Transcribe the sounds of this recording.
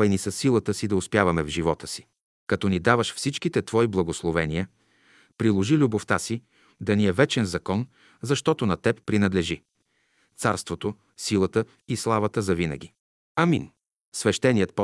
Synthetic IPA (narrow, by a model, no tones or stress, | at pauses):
ɛjnisəsːilˠət̪əsid̪ɐʊspjavɐmɛvʒivɔt̪ə̥si̥ | kɐt̪ɔnid̪avəʃfsit͡ʃkit̪ɛt̪vɔiblˠɐɡoslˠovɛniə | pɾilˠoʒilʲuboft̪asi | d̪ɐniɛvɛt͡ʃɛnzɐkɔn | zɐʃt̪ɔt̪onɐt̪ɛppːɾinɐd̪lɛʒi | t̪saɾst̪vot̪o | silˠət̪ə | islˠavɐt̪əzɐvinə̰ɡ̟ʲi | ɐmḭn | svɛʃt̪ɛnijət̪̚pɔ